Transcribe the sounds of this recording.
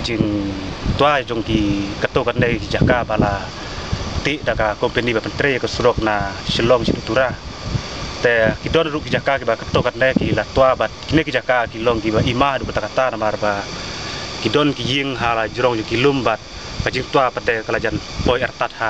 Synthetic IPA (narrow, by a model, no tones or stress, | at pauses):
d͡ʒiŋt̪uad͡ʒɔŋkikət̪ːɔkat̪̚nɛkid͡ʒakabala | t̪iʔdakakɔmpɛnibapənt̪ɾɛjkəsuɾɔk̚nasəlɔŋsidut̪uɾa | t̪ɛkidɔnɾuʔkid͡ʒakakibakət̪ɔkat̪̚nɛkilat̪uabat̪̚kinɛkid͡ʒakakilɔŋkibaimahdukət̪akat̪anamarba | kidɔnkijiŋɦalad͡ʒəɾɔŋd͡ʒɔŋkilumbat̪̚ | kad͡ʒiŋt̪uapadɛkalad͡ʒanpɔiɛrt̪at̪̚ha